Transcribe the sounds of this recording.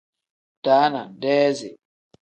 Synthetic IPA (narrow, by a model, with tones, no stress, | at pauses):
taː˨˦na˨n˨dɛː˦zḛ˨